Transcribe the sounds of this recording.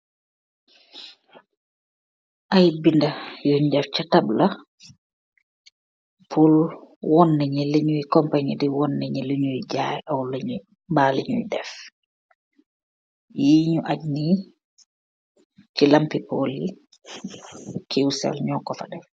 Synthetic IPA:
ʔajbindajɔɲdɛft͡ʃatabla | pʰulwɔnːɛɲileɲuwikɔmpaɲidiwɔnːɛɲɛleɲuid͡ʒajɛawleɲu | baleɲṵjdɛf | jiːɲuʔaɟni | t͡ʃilampipolḭ | kʰiwsɛ̰lɲɔŋkɔfadɛ

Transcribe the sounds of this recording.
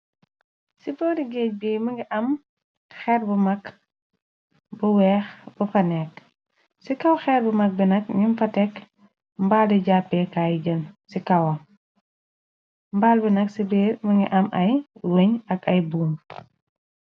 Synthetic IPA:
sibɔːɾiɡeːc̚beːməŋɡiʔɐm | xɛrbəmɐk | buwɛːxbɐfɐnɛk | sikɐwxɛːɾbəmɐk̚binɐk̚ɲimfɐtɛk | mbaːldiɟaːpːɛkaːjɟənsikɐwɐ | mbaːlbinɐksibeːməŋɡḭʔɐmʔɐjweɲɐkɐjbuːm

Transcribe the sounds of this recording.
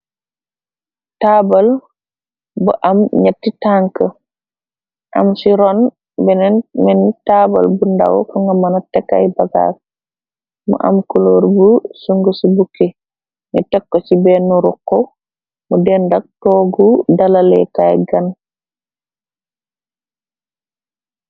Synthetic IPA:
tabal | bɔʔamɲatːitaŋkə | ʔa̰msiɾɔn | bɛnɛnmɛnitaːba̰lbunda̰wɔ̰kuŋɡamanatɛkːa̰jbaɡa̰k | mṵʔa̰mkuloːɾbusuŋɡosibukːe | ɲɐtɛkːosibɛnːuɾukːɔ | mudɛndak̚tɔːɡudalalɛ̰kajɡan

